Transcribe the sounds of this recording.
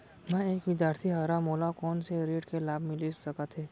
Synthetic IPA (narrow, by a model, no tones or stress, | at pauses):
mɛ̃eːkʋɪd̪jaːɾt̪ʰiɦaːɾamoːlakɔːnseɾeːɖkelaːbmɪlisɐkat̪ʰɦeː